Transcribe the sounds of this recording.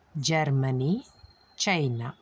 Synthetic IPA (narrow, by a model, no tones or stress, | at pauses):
d͡ʒɛɾmani | t͡ʃajna